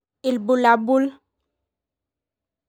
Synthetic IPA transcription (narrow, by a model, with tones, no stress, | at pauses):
ɪ˨lbu˨la˨bu˦l